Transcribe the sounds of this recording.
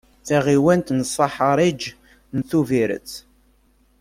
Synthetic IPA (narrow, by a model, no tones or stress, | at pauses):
θæʁiwænt̪nəsˤːɑħəɾˤid͡ʒ | nθuviɾə̰t͡s